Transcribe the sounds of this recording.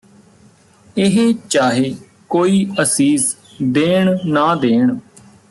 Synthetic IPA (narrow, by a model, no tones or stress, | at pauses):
ɪɦeːt͡ʃaːɦeː | koːiːəsiːs | d̪eːɳnaːd̪eːɳ